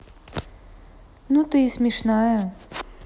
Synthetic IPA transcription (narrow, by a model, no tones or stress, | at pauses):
nut̪ɨisʲmʲiʂnajɐ